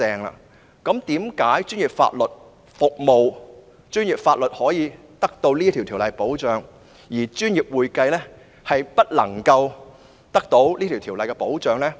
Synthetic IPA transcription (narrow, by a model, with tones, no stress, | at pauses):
ɛː˨˧ŋla̰ː˧ | kɐ˨˥mt̪iː˨˥mkaː˨˥jt͡ʃyː˥nji˨p̚fa̰ː˧t̚lɵ˨t̚ | fʊ˨k̚mo˨w | t͡ʃyː˥njiː˨˩p̚faː˧t̚lɵ˨t̚hɔː˨˥jiː˨˧ | t̪ɐ˥k̚t̪o˧wliː˥t̪ʰi˨˩t̪ʰiː˨˩wlɐ˨˩jpo˨˥wt͡ʃœː˨˧ŋ | jiː˨˩t͡ʃyː˥njiː˨p̚wuː˨jkɐ˧jlɛ˥ | hɐ˨jpɐ˥t̚lɐ̰˨˩ŋkɐ˧w | t̪ɐ˥k̚t̪o˨˥wliː˥t̪ʰi˨˩wt̪ʰi˨˩wlɐ˨jkɛː˧po˨˥wt͡ʃœː˨˧ŋlɛː˥